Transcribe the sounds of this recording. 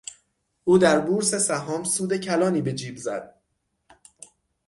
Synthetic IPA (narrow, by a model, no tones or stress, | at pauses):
ʔuːd̪æɾbuːɾse̞sæɦɒːmsuːd̪e̞cʰælɒːniːbe̞d͡ʒiːbzæd̪̥̚